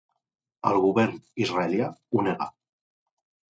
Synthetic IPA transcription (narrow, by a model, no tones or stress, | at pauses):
əlˠɣuβɛɾnizraeljauneɣa̰